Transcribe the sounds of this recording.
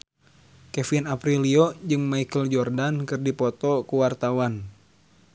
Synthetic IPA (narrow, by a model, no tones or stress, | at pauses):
kɛfinapɾiliɔd͡ʒɨŋmaikəld͡ʒɔrdankɨrdipɔt̪ɔkuwart̪awan